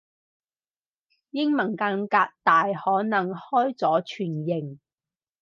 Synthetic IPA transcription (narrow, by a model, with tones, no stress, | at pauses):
jɪ˥ŋmɐ˨˩ŋka˧ŋkaː˧k̚t̪aː˨jhɔː˨˥nɐ˨˩ŋhɔː˥jt͡sɔː˨˥t͡ʃʰyː˨˩njɪ˨˩ŋ